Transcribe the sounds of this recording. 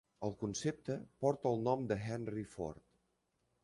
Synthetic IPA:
əlˠkunsep̚t̪əpɔɾt̪əəlˠnɔmd̪əɦɛnrifo̰ɾt̪

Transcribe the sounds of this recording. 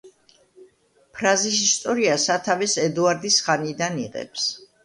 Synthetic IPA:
pʰɾazis̬ist̪ʼɔɾiasat̪ʰavɛsɛd̪uaɾd̪isχanid̪aniʁɛ̰ps

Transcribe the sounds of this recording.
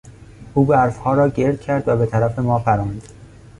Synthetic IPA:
ʔuːbæɾfhɒːɾɒːɟe̞ɾd̪̥̚cʰæɾd̪væbet̪ʰæɾæfe̞mɒːfæɾɑːnd̪̥

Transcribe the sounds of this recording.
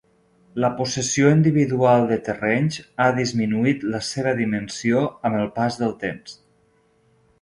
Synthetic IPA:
ləpusəsioind̪iβiðualˠd̪ət̪ərɛɲzaðizminuit̪ləseβ̞əðimənsioəməlˠpazðəlˠt̪ems

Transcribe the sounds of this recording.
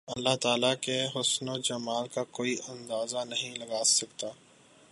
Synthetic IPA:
ɐlːaɦt̪aːlakeɦʊsnod͡ʒɐmaːlkakoːiʔɐ̃nd̪aːzanɐɦĩlɐɡaːsɐkt̪aː

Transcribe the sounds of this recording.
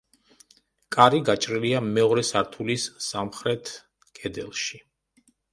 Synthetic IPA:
kʼaɾiɡat͡ʃʼɾiliamɛɔɾɛsaɾt̪ʰulisːamχɾɛt̪ʰ | kʰʼɛd̪ɛlˠʃi

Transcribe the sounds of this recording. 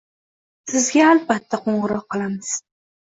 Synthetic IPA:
sɪzɡʲaalbat̪ʰːaqʰoɴʁɨɾɒqːɨlˠamɪz̥

